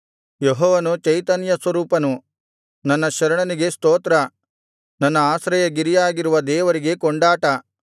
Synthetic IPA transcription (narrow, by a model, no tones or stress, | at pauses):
jeɦɔːʋɐnut͡ʃɐjt̪ɐnjɐsʋɐɾuːpɐnu | nɐnːɐʃɐɾɐɳɐniɡe̞st̪oːt̪ɾɐ | nɐnːɐaːsɾɐjɐɡiɾijaːɡiɾuʋɐd̪ɛːʋɐɾiɡe̞koɳɖaːʈɐ